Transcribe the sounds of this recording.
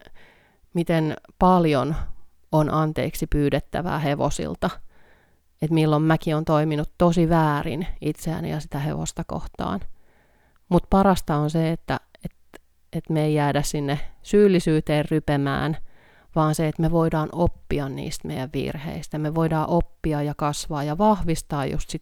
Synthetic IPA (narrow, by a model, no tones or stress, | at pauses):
mit̪enpɑljon | onʔɑnt̪ḛːksipyːdet̪ːæ̰ʋæ̰ːheʋo̰sḭlt̪ɑ | et̪milːommækiont̪oiminut̪t̪osiʋæːrḭnit̪seæ̰nḭjɑsit̪æhḛʋo̰st̪ɑko̰ht̪ɑ̰ːn | mut̪pɑrɑst̪ɑonseet̪ːæet̪ | et̪meeijjæːdæssinːesyːlːisyːt̪eːrrypemæ̰ːn | ʋɑːnseet̪meʋoidɑːnʔopːiɑnnḭːst̪mḛjæʋʋḭrhḛist̪jɑmeʋoidɑːʔopːiɑjɑkɑsʋɑːjɑʋɑhʋist̪ɑːjjṵst̪sit̪